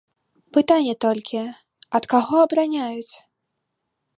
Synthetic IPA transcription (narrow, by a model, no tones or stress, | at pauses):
pɨt̪anʲːɛt̪ɔlʲkʲʰi | ɐt̪kaɣɔɐbɾanʲajut͡sʲ